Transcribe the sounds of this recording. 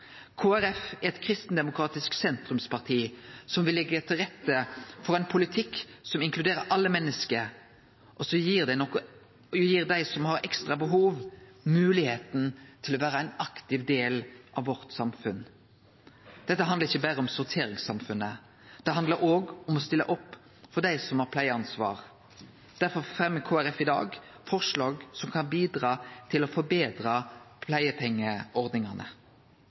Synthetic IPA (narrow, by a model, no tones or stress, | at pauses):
kʰoːæɾɛfæɾɛt̪kʰɾɪst̪n̩d̪ɛmʊkʰɾɑːt̪ɪsksɛnt̪ʁʉmspʰɑʁt̪ʰiːsɔmʋɪlːɛɡːət̪ʰɪlʁɛt̪ːəfɔʁɛɪnpʰʊlɪt̪ʰɪkːsɔmɪŋkʰlʉd̪eːɾəɾʔɑlːəmɛnːəskəɾ | ʔɔsɔjiːʁd̪ænɔkːɔ | jiːʁd̪æɪsɔmhɑʁɛkst̪ʁɑbəɦuːʋmʉːlɪheːt̪n̩t̪ʰɪlɔʋæːɾəæɪnɑkt̪ɪʋd̪eːlʔɑʋːɔʁt̪sɑmfʉn | d̪̥ɛt̪ːəɦɑnd̪əʁɪçːəbæːʁəɔmsʊʁt̪ʰeːɾɪŋsɑmfʉnːə | d̪̥ɛɑnd̪ləɾoːɡɔmɔst̪ɪlːə̰ʔɔpː | fɔʁd̪æɪsɔmhɑɾpʰlæɪəɑnsʋɑ̰ːʁ | d̪̥æɾfɔʁfʁɛmːəkʰoːæɾɛfɪd̪ɑ̰ːɡ | fɔʁʂlɑːɡsɔmkʰɑnbiːd̪ɾɑːt̪ʰɪlɔfɔɾbeːd̪ɾɑpʰlæɪəpʰɛŋːəɔʁd̪nɪŋɑnʔə̰